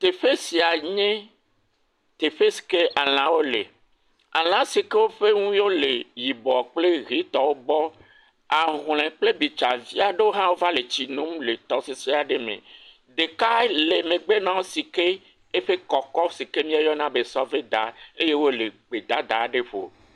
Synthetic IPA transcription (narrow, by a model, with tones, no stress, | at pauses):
t̪e˨ɸe˦si˨a˨ɲẽ˦ | t̪e˨ɸe˦si̥˨ke˦ʔa˨l̃ã˨wo˦lḛ˨ | a˨l̃ã˦si˨ke˦wo˦ɸe˦ŋũ˦jo˦le˨ji˨bɔ˨k͡ple˦ɣi˦t̪ɔ˨wo˦bɔ˦ | a˨ɦl̃ɛ̃˨k͡ple˦bi˨t͡ʃa˨vi˦a˨ɖe˦wo˦ɦã˦wo˦va˦le˨t͡ɕi˨nũ˦mle˨t̪ɔ˨si˨si˦a˨ɖe˦mḛ̃˨ | d̪e˨ka˦le˨mẽ˨ɡ͡be˦nã˦wo˦si˨ke˦ | e˦ɸe˦kɔ˨kɔ˦si˨ke˦mĩ˦a˨jɔ˦nã˦be˨sɔ˦ve˦d̪a˨e˦je˦wo˦le˨ɡ͡be˨d̪a˨d̪a˨˦ɖe˦ɸo̰˨